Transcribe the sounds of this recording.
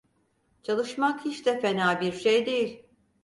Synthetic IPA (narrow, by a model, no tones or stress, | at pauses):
t͡ʃʰalˠɯʃmakhiʃt̪ɛfenaːbiɾʃejd̪e̞jilʲ